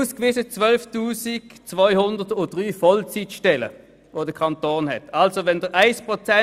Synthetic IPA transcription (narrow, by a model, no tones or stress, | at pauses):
uːskviːsət͡sʋœlftuːsikt͡svɔʏhʊndətʊd̥ʁyːfɔlt͡sitʃtɛlə̰ | ʋoːdəkʰɑntoːnhɛtʰɑlsoʋɛndəʁʔaɪspʁot͡sɛ